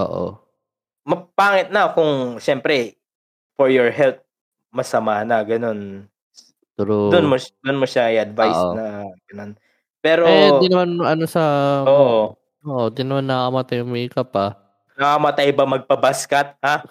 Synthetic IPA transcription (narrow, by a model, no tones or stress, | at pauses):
ʔo̰ːʔo̰ | mɐpaːŋɪt̪̚nɐkʊŋʃɛmpɾɛ | fɔɹjoɹɦɛlt̪̚ | mɐsɐmaːnɐɡɐno̞n | t̪uɾod̪ʊnmod̪ʊnmoʃaɪjʔɐd̪vajsonɐɡ̥ɐno̞n | pɛːɾod̪inɐmanɐnosɐoːʔ | oʔod̪inːɐmanːɐkɐmɐt̪ajʊŋmɐikɐpa | nɐkɐmɐt̪ajbɐmɐɡ̚pɐbaskɐt̪̚ha